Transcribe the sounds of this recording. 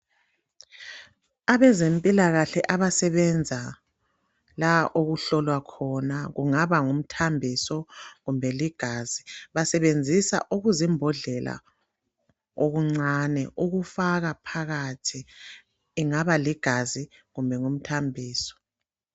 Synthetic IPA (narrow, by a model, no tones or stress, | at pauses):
aβɛzempʼilaɣaɬɛʔaβasɛβɛnd͡zʱa | laʔoɣuɬɔlwakʰɔnaɣuŋaβaŋum̩tʰambʱisɔɣumbʱɛliɡ̥ʱaziβasɛβend͡zʱisa̰ʔuɣuzimbʱɔɮɛla̰ | oɣuŋ͡ǀanɛʔuɣufaɣapʰaɣatʰiː | ŋaβaliɡ̥ʱaziɣumbʱɛŋum̩tʰambʱiːsɔ̥